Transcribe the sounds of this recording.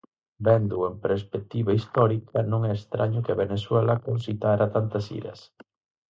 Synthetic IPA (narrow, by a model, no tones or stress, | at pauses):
bɛnd̪uempɾespek̚t̪iβɐist̪ɔɾikʰɐnõŋɛest̪ɾʔaɲʊkɪɐβeneswɛlɐkonsit̪aɾɐt̪ant̪ɐsḭɾɐ̰s